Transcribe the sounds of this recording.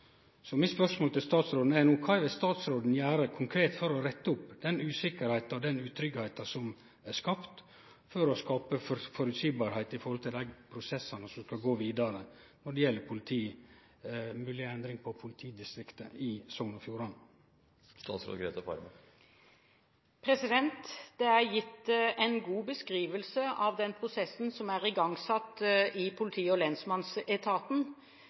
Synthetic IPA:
sɔmɪspœʂmoːlt̪ʰɪlst̪ɑːt̪sɾoːd̪n̩ænuːkʰɑːʋɪlst̪ɑːt̪sɾoːd̪n̩jæːɾəkʰʊŋkʰɾeːt̪fɔɾɔɾɛt̪ːəʊpːd̪̥ɛnʉːsɪkəɾhæɪt̪ɑɔd̪ɛnʉːt̪ʰɾʏɡhæɪt̪ɑsɔm | æskɑpt̪ | fɔɾɔskɑːpəffɔɾʉt̪siːbɑɾhæɪt̪ɪfɔɾhɔlt̪ʰɪld̪æɪɡpʰɾʊsɛsɑnəsɔmskɑlɡoːʋiːd̪ɑɾə | nɔɖɛjɛlːəpʰʊlɪt̪ʰiː | mʉːlɪɛnd̪ɾɪŋpʰɔpʰʊlɪt̪ʰiːd̪ɪst̪ɾɪkt̪əɪsɔnɔfjuːɾɑn | st̪ɑ̰ːt̪sɾo̰ːɡɾeːt̪ɑfɑ̰ɾmə | pʰɾɛsɪd̪ɛnt̪d̪̥ɛæɾjɪt̪ːɛɪnɡuːbəskɾiːʋəlsəɑʋd̪ɛnpʰɾʊsɛsːn̩sɔmæɾɪɡɑŋsɑt̪ːɪpʰʊlɪt̪ʰiːɔlɛnsmɑnsɛt̪ʰɑːt̪n̩

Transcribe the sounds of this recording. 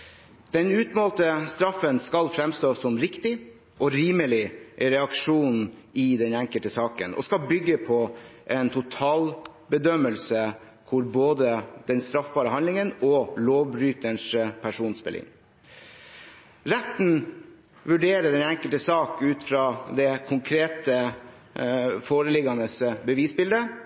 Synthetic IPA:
d̪̥ɛnʉːt̪mɑːlt̪əst̪ɾɑfːənskɑlfɾɛmst̪oːsɔmɾɪkt̪ɪ | ʔɔɾiːməlɪʔɛɾɛɑkʂuːnn̩ | ɪd̪ɛnɛŋkəlt̪əsɑːkə̰nɔ̰skɑlbʏɡːəpʰɔʔɛnt̪ʰʊt̪ʰɑːl | bəd̪œmːəlsə | kʰʊɾboːd̪əd̪̥ɛnst̪ɾɑfbɑːɾəhɑnlɪŋənɔloːʋbɾyːt̪əɳʂpʰæʂuːnspɛ̰lɪ̰ŋ | ɾɛt̪n̩ | ʋʉɖeːɾəɖɛnæŋkəlt̪əsɑːkʉːt̪fɾɑːd̪ɛkʰʊŋkʰɾeːt̪ə | foːɾəlɪɡɑnəsbəʋiːsbɪld̪ə

